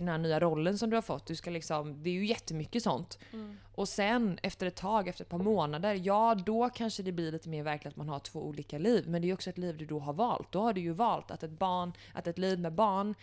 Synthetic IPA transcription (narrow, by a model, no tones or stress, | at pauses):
d̪ɛnhæːɳyːaɾɔlːənsɔmd̪ɵhaɾfɔ̰t̪ːd̪ɵskalɪksɔmd̪ɛːɾjɵjɛt̪ːəmʏkːəsɔ̰nt̪ | ʔɔsɛnɛft̪əɾɛt̪ʰːɑːɡɛft̪əɾɛt̪pʰɑːɾmoːnad̪əɾjɑːd̪ɔkʰanʂəd̪ɛblɪɾɭiːt̪əmeːɾvæɾklɪt̪at̪manhaʈʰv̥oːʔuːliːkaliːvmɛnd̪ɛːjʉɔksɔɛt̪liːvd̪ɵd̪ɔɦaɾvɑːlt̪̚d̪ɔhaɖɵjɵvɑːlt̪a̰t̪ɛt̪̚bɑːɳ | ʔa̰t̪ɛt̪liːvmɛbɑːɳ